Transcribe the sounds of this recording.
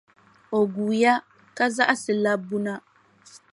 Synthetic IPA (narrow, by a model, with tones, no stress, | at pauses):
o˨ɡuː˨ja˦ | ka˦za˦ʔa˦sɨ˨la˦bu˦na˦